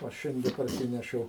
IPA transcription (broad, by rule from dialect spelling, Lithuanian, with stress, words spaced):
ˈoː ˈʃʲɛnʲdʲɛ pɐrʲˈsʲɪnʲɛʃʲɛʊ